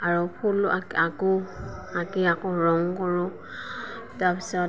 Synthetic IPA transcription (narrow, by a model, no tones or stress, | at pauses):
aɹupʰulʔaakuakiakɔɹɔŋkɔɹʊ̃ | tapisɔ